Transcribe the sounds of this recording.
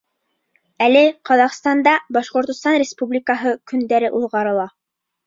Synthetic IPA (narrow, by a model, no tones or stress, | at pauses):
ælɘqɑðɑqst̪ɑnd̪ɑbɑʃqŏɾt̪ŏst̪ɑnrʲɪspublʲikəɦɤkɵ̆nd̪æɾɘʔuðˠʁɑɾɤ̆lˠɑ